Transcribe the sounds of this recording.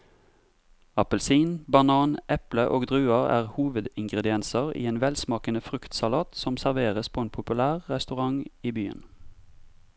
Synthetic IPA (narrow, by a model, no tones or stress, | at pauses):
ɑpəlsiːnbɑnɑːnʔɛpləʔoːɡd̪ʁʉːɑʁæ̰ːʁhuːʋəd̪ɪŋɡʁəd̪ɪɛnsəʁḭːeːnʋɛlsmɑːkənəfʁʉkt̪sɑlɑːt̪sɔmsæʁʋeːʁəspʰoːeːnpʰʊpʉlæːʁʁɛst̪ʉʁɑŋiːbyːə̰n